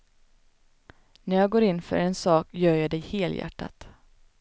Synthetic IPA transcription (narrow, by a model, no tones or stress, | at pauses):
næɾjɑːɡoːɾɪnfœ̰ɾɛnsɑːkjœːɾjɑːd̪ɛjheːljæ̰ʈːa̰t̪